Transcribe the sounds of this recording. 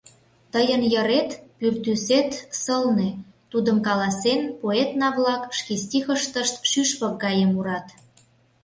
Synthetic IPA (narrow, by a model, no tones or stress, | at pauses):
t̪əjənjəɾet̪pyrt̪yset̪səlne | t̪ud̪əmkɑlɑsenpoet̪nɑβlɑkʃkest̪ʲixəʃt̪əʃt̪ʃyʃpək̚ɡɑjemuɾɑt̪